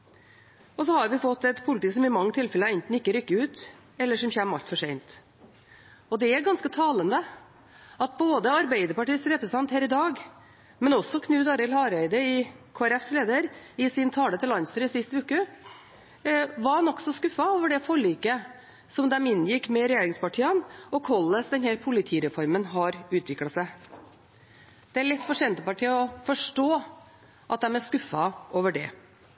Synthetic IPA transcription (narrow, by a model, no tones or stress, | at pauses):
ɔs̬ɔhɑɾʋɪfɔt̪ːɛt̪pʰʊlɪt̪iːsɔmɪmɑŋːət̪ʰɪlfɛləɛnt̪n̩ɪkːəɾʏkːəʉːt̪ | ɛlːəʂɔmçɛmɑ̰lt̪fɔʂɛɪnt̪ | ɔd̪ɛæɾɡɑnskət̪ʰɑːlənd̪ə | ɑt̪̚boːd̪əɑɾbæɪd̪əɾpɑʈiːsɾɛpɾəsət̪ʰɑnt̪hæːɾɪd̪ɑːɡ | mɛnɔsːɔkʰnʉːd̪ɑɾɛlhɑːɾæɪd̪əɪkʰoːæɾɛfsleːd̪əɾɪsɪnt̪ʰɑːlət̪ɪlɑnst̪ɾʉɪsɪst̪ʉːkə | ʋɑnɔksɔskʉfːɑoːʋəɖɛfɔɭiːkə | sɔmd̪ɛmɪnːjɪkːmɛɾɛjeːɾɪŋspɑʈʰiːɑnɔkʰɔlːəsd̪ɛnhæːɾpʰʊlɪt̪ʰiːɾɛfɔɾmənɦɑɾʉːt̪ʋɪklɑsæɪ | d̪̥ɛæɾɭɛt̪ːfɔʂɛnt̪əpɑʈʰiːɔfɔʂʈoː | ʔɑt̪̚d̪ɛmæskʉfːɑoːʋəɖɛ̰